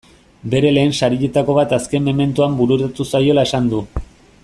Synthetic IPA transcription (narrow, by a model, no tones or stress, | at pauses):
be̞ɾe̞le̞ːnsaɾiʎe̞t̪ako̞β̞at̪aske̞mːo̞me̞nt̪uambuɾuɾt̪at̪usajo̞lae̞sand̪u